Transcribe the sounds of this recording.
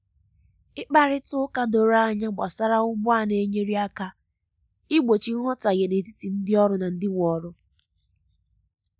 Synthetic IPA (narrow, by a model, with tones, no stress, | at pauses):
ɪ˦k͡pa˦ɾɪ˦tʊ˦ka˦do˨ɾa˦ɲa˦ɡ͡bɔ˨sa˦ɾa˦ʊ˦ɡ͡bʊ˦a˦ne˨˦ɲe˦ɾi˦a˦ka˦ | ɪ˦ɡ͡bo˨t͡ʃi˦ŋɔ˦ta˨ɣe˨ne˨ti˦ti˨n̩˦dɪ˦ɔ˦ɾʊ˦na˨n̩˦dɪ˦ŋʷ˨ɔ˨˦ɾʊ˦